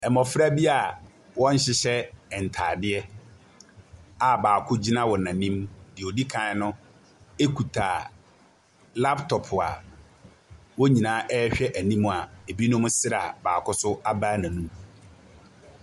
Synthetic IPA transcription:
ɛ˨mɔ˨fɾa˦bi˦a˨ | wɔ̃˦ɲ̩˦ɕɪ˦ɕɛ˦ɛ˨n̩˨tʰaː˨dɪ˦ɛ˦ | a˨baː˨kʰʊ˦d͡ʑi˦nã˦wɔ˨nã˨nĩ˦mdɪ˨o˨di˦kʰã˨˦nʊ̃˦ | e˦kʰu˨tʰa˨ | la˦ptʰɔ˨pʰʊ˨a̰˨ | wɔ˦ɲĩ˨nãː˨˦ʔɛ˦ɕᶣɛ˦ʔæ˨nĩ˦m̃˨a˨e˨bi˦nʊ̃˦m̃˦sɪ˦ɾa̰˨baː˨kʰʊ˦sʊ˦a˦baː˦nã˨nũ˦m

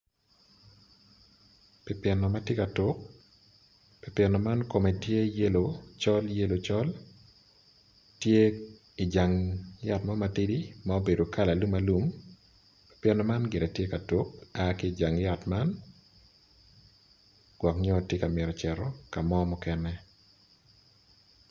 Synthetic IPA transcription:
pɪ˦pɛ˨nɔ˨ma˦tje˦ka˨tu˦k̚ | pɪ˨pjɛ˨nɔ˨ma˦nko˨mɛ˨tje˦je˦lo˨t͡ʃɔ˦lje˦lo˨t͡ʃɔ˦l | tje˦ | i˨d͡ʒa˨ŋja˦˨tma˦ma˨ti˦di˦mao˦be˨do˨ka˦la˨lu˦ma˦lu˦m | pɪ̥˦pje˨nɔ˨ma˦nɡɪ˨ɾe˨tje˦ka˨tu˨˦k̚a˦kɪː˦˨d͡ʒa˨ŋja˨tma˦n | ɡ̥wɔ˨kɲɔ˦˨tje˦ka˨mɪ˨ɾɔ˨t͡ʃɛ˨ɾɔ˦ka˨mɔ˦mɔ˦kɛ˦nɛ˦

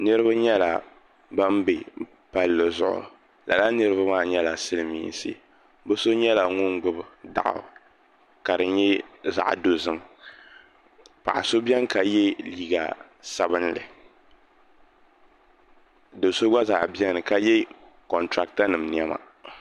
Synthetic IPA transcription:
nɨ˦ɾɨ˦ba˦ɲɛ˦la̰˨ | ba˦m˦be˨ | pa˦lːɨ˨zʊ̰˨ʔʊ̰˨ | la˨la˦nɨ˦ɾɨ˦βa˦maː˦˨ɲɛ˦la˨sɨ˦lɨ˨mḭː˦˨n˨sɨ̰˦ | bɨ˦so˦ɲɛ˦la˨ŋʊ˦ŋɡ͡bʊ˦bda̰˨ʔʊ̰˨ | ka˨dɨ˨ɲɛ˦za̰˨ʔdo˨zɨ˦m | pa̰˨ʔa˨so˦bjɛ˦ŋka˨jɛ˦liː˦ɡa̰˨ | sa˨bɨ˦n˦lɨ̰˨ | do˨so˦ɡ͡ba˦za̰˨ʔbjɛ˦ŋ˨nɨ˨ka˦jɛ˦ | kɔ˨ntɾa˦k̚ta˦nɨ˨mni˨˦ɛ˦ma̰˨

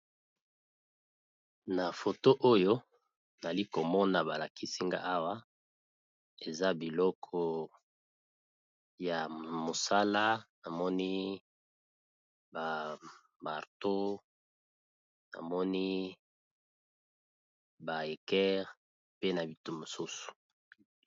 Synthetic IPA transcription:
na˨fo˨to˦ʔo˦jo˦ | na˨li˦ko˨mɔ˦na˨ba˨la˨ki˦si˦ŋɡa̰˦ʔa˦wa˦ | e˨za˦bi˨lɔ˦kʰɔ˦ | ja˨mo˨sa˦la˦na˨mɔ˦ni˦ | ba˨ | ba˨ʁto˦ | na̰˨mɔ˦ni˦ | ba˨e˨kɛ˦ʁ | pe˦na˨bi˨tu˨mo˨su˦su̥˨

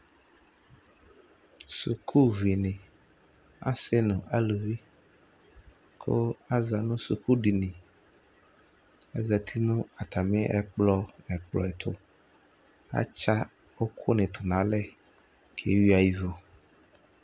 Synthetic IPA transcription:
sṵ˨kʰu˦vi˨nɪ̃˨ | a̰˦sɛ˦nʊ̃˨a˦lu˨vi˦ | kʰo̰˦a˦za˨nũ˦sṵ˨kʰu˦ɖi˨nĩ˨ | ɛ̰˦zɛ˨t̪ʰi˦nũ˦a˨t̪ʰa˨mĩ˦ʔɛ˨k͡plɔ˦mɛ˨k͡plɔ̰˨ɛ˨t̪ʰʊ˦ | a̰˦t͡ʃa˦o˦kʰo˦nɪ̃˨t̪ʰʊ˨nã˨˦lɛ˦kʰḛ˨˦wi˦a˨ji˦vo˦

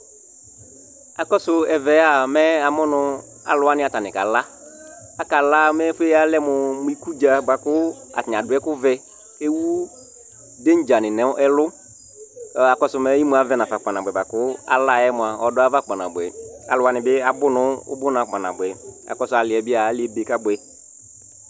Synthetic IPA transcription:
a˨kɔ˦sʊ˨ɛ˨vɛ˨˦a˨mɛ˦a˨mʊ˦nʊ̃˦ | a̰˨lʊ˨˦a˦nɪ̃˦a˨ta˨nɪ̃˨ka̰˨la˦ | a˨ka˨la˦mɛ˦fe˦a˦lɛ˦mʊ˨mʊ˦i˦ku˦d͡ʒa˨ba˨kʊ˦ | a̰˨tn˨a˨dʊ˨˦ɛ˦kʊ˦vɛ˦ | e˦wu˦ | de˦n̩˦d͡ʒa˨nɪ̃˨nɛ˨˦ʔɛ˦lʊ˦˨ | a˨kɔ˦sʊ˨mɛ˦ji˦mʊ̃˨˦a˨˦vɛ˦nã˨fa˨k͡pa˨nã˨bɛ˨ba˨kʊ˦a̰˨la˦˨ɛ˦mʊ˨a˨ɔ˦dʊ˦a˦va˦k͡pa˨nã̰˨bɛ˨a̰˨lʊ˦a˨nɪ̃˨bɪ˦a˨bʊ˦nʊ̃˦ʊ̰˦bʊ˦nã˨k͡pa˨na̰˨bʊ˨ɛ˨a̰˨kɔ˦sʊ˨˦a˨lɪ˨ɛ˨bɪ˦a˨a˨˦lɪ˦ɛ˦be˨ka˦bɛ˨

